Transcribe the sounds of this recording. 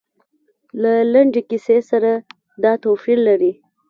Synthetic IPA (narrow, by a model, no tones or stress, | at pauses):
lalaɳɖekisesaɾa | d̪ɑt̪ofiɾlaɾi